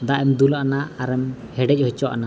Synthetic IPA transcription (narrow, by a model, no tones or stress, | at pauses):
d̪aʔɛmd̪ulaʔanaaɾɛmhɛɖɛc̚ˀhɔt͡ʃɔaʔa̰na